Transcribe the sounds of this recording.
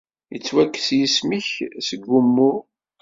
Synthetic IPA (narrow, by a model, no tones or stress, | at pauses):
jət͡sːwækːsjismiçsəɡːumːʊ